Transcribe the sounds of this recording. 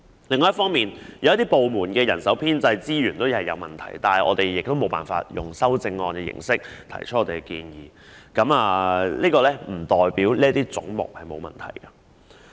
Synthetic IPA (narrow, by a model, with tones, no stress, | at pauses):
lɪ˨ŋːɔː˨jɐ˥tfɔː˥ŋmiː˨njɐ˨wjɐ˥t̪iː˥po˨wmuː˨˩nkɛː˧jɐ˨˩nsɐ˨˥wpʰiː˥nt͡sɐ˧jt͡siː˥jyː˨˩nt̪o˥whɐ˨˩jːɐ̰˨˧wmɐ˨nt̪ʰɐ̰˨˩jt̪aː˨nhɐ˨˩jʔɔ̰ː˨˧t̪e˨jjɪ˨k̚t̪o˥wmo˨˧wpa̰ː˨nfa̰ː˧t̚jʊ̰˨˩ŋsɐ˥wt͡sɪ˧ŋːɔː˧nkɛː˧jɪ̰˨˩ŋsɪ˥k̚t̪ʰɐ̰˨˩jt͡ʃʰɵ˥ʔɔː˧e˨˩kɛ˧kiː˧njiː˨ | kɐ˨˥maː˨liː˥kɔː˧lɛː˥m̩˨˩t̪ɔː˨˩jpiː˨˥wliː˥ɐ˥t̪iː˥t͡sʊ̰˨˥ŋmʊ̰˨k̚hɐ˨jmo˨˧wmɐ̰˨˩nt̪ʰɐ̰˨˩jkɐ˧